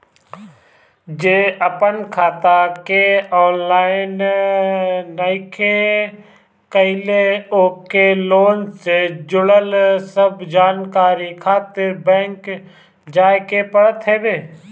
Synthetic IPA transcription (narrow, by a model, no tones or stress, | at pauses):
d͡ʒeːəpənkʰaːt̪akeɔːnlaːɪn | naɪkʰe | kəɪleoːkeloːnsed͡ʒʊɽəlsəbd͡ʒaːnkaːɾikʰaːt̪ɪɾbɛ̃ːŋk | d͡ʒaːekepəɽət̪ɦeːbeː